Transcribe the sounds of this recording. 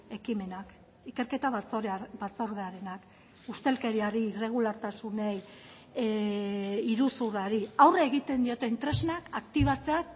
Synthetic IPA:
e̞kime̞nak | ike̞ɾke̞t̪aβt͡sobat͡so̞ɾðeaɾe̞nak | ust̪e̞lke̞ɾiaɾiːre̞ɣ̞ulaɾt̪asune̞j | ɾusuraɾiawreːɣ̞it̪e̞nd̪io̞t̪e̞int̪ɾe̞znakakt̪iβ̞at͡se̞ak

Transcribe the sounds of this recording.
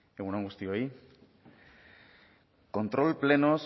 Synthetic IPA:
eɣunãŋɡust̪ioi | kont̪ɾo̞lplenos

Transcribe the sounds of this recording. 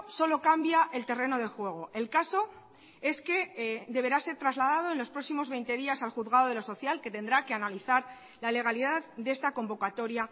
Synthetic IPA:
so̞lokambjaʔe̞lt̪e̞re̞no̞ðe̞xwe̞ɣ̞o̞e̞lkaso̞ | e̞ske̞d̪e̞βe̞ɾase̞ɾt̪ɾazlað̞að̞o̞e̞nlo̞spɾo̞ksimo̞zβe̞jnt̪e̞ðiasalxuðɣaðo̞ð̞e̞loso̞θjalke̞t̪e̞nd̪ɾakeanaliθaɾ | lale̞ɣ̞aliðaðd̪e̞st̪ako̞mbo̞kat̪o̞ɾja

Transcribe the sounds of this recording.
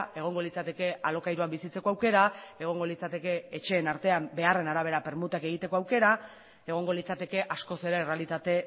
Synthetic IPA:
e̞ɣ̞o̞ŋɡo̞lit͡sat̪e̞ke̞alo̞kajɾuambisit͡se̞koawke̞ɾae̞ɣ̞o̞ŋɡo̞lit͡sat̪e̞ke̞et͡ʃe̞ːnaɾt̪e̞ambe̞are̞naɾaβ̞e̞ɾape̞ɾmut̪ake̞ɣ̞it̪e̞ko̞awke̞ɾa | e̞ɣ̞o̞ŋɡo̞lit͡sat̪e̞ke̞ʔasko̞se̞ɾeːre̞alit̪at̪e̞

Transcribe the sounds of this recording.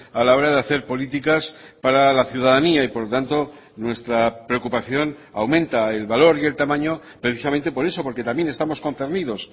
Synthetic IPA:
alao̞ɾaðeaθe̞ɾpo̞lit̪̬ikaspaɾalaθjuðaðaniaipo̞ɾlo̞t̪ant̪o̞ | nwe̞st̪ɾapɾe̞okupaθjo̞nawmẽ̞nt̪aelβalo̞ɾie̞lt̪amãɲo̞ | pɾe̞θis̬ament̪e̞po̞ɾe̞so̞po̞ɾke̞t̪amj̞ne̞st̪amo̞sko̞nθe̞ɾniðo̞s

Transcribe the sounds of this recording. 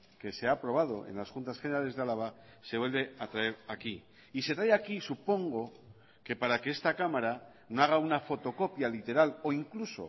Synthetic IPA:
ke̞seapɾo̞βað̞o̞e̞̰nlasxunt̪asχeneɾale̞zðealaβa | se̞βwelβe̞at̪ɾae̞ɾakiː | se̞t̪ɾajakisupo̞ŋɡo̞ | ke̞paɾake̞est̪akamaɾa | noaɣ̞aunafo̞t̪o̞ko̞pjalit̪e̞ɾalo̞iŋkluso̞̰

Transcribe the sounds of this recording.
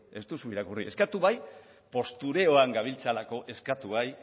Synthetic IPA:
e̞st̪usuiɾakurie̞̰skat̪uβaj | po̞st̪uɾe̞o̞aŋɡaβ̞ilt͡salako̞ʔe̞skat̪uβaj

